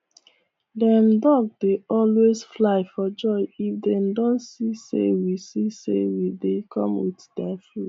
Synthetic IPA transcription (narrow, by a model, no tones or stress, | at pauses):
dɛ̃mdɔɡ̚deɔlwezflaɪfɔd͡ʒɔɪifdɛmdõntsisḛwisisḛwidekʰɔ̃mwiðdɛfu